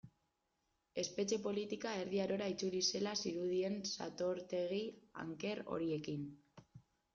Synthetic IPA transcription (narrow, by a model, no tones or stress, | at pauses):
e̞spe̞t͡ʃe̞po̞lit̪ikae̞ɾðiaɾo̞ɾait͡sulise̞lasiɾuð̞ie̞nsa̰t̪o̞ɾt̪e̞ɣ̞ia̰ŋke̞ɾo̞̰ɾie̞kin